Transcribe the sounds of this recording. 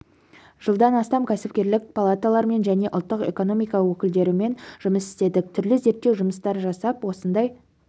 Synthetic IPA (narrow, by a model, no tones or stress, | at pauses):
ʒ̥əlˠd̪ɑnɑst̪ɑmkʲʰæsɪp̚kʲe̞ɾlɪk̚pʰalˠat̪alˠɑɾme̞nʒæne̞ʔʊlˠt̪ːəqe̞̰ko̞no̞mijkɑwɵkʲɪld̪e̞ɾɪme̞nʒʊməsɪ̥st̪e̞d̪ɪk̚t̪ʰʏɾlɪze̞ɾt̪ːe̞wʒʊməst̪ɑɾʒɑsɑpwo̞sənd̪ɑj